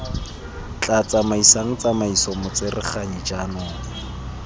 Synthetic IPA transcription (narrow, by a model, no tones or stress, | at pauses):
t͡ɬʼat͡samaisaŋ̩t͡samaisɔmʊt͡sɪrɪ̰χaɲid͡ʒanɔːŋa